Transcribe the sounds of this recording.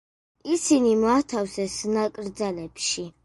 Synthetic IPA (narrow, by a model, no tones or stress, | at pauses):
isinimɔat̪ʰafsɛsnakʼɾd̪zalɛpʃi